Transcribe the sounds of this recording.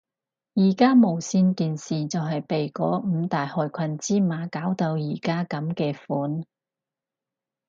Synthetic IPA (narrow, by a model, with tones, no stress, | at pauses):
jiː˨˩kaː˥mo˨˩wsiː˧nkiː˨nsiː˨t͡sɐ˨wɦɐ˨jpe˨jkɔ̰ː˨˥m̩ː˨˧t̪aː˨jhɔː˨˧jkʷʰɐ˧nt͡siː˥maː˨˧kaː˨˥wt̪o˧wjiː˨˩kaː˥kɐ˨˧˥mkɛː˧fuː˨˥n